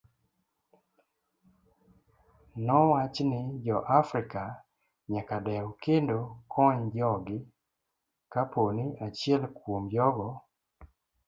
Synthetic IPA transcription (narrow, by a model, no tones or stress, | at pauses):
nɔwat͡ʃnɪd͡ʒɔʔafɾɪka | ɲakadɛɔkendokʰɔɲd͡ʒɔɡɪ | kaponɪat͡ʃiɛlkwomjɔɡɔ